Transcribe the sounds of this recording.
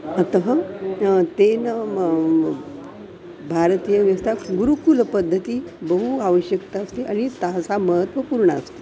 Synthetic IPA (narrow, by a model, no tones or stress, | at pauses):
ət̪əɦə | t̪en | bʱaɾt̪ijəʋjəst̪ʰaɡuɾukuləpəd̪ʱːət̪iːbəɦuaʋəɕjəkt̪aːst̪eʔaɽ̃it̪asaməɦət̪ʋəpuɾɳəəst̪e̥